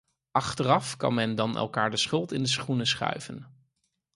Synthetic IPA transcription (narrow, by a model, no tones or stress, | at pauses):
ʔɑχtərɑfkɑ̰nmɛndɑnʔɛ̰lˠkaːɹdəsχɵlˠtɪndəsχunəsχœ̰ɥvə̰n